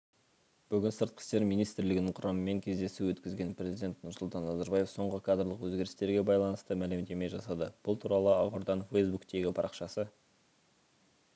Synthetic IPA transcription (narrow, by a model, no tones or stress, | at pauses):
b̥ʏɡʲɪnsəɾt̪̚qʰə̥st̪e̞ɾmijnijst̪ɾlɪɡʲɪnɪɴqʰʊɾʔɑməme̞ŋkʲʰe̞zd̪e̞suwɵt̪kʲɪzɡʲe̞npɾʲe̞zijd̪e̞nt̪nʊɾsʊlˠt̪ɑnːɑzɑɾbɑje̞fso̞ɴʁəkʰad̪rlˠəqwɵzɡʲe̞ɾɪst̪e̞ɾɡʲe̞bɑjlˠɑnəst̪əmælɪmd̪e̞me̞jʒɑsɑd̪əb̥ʊlˠt̪ʰuɾɑlˠəɑʁʊɾd̪ɑnfejsbukt̪e̞ɡʲɪpʰɑɾʔɑqʃɑsə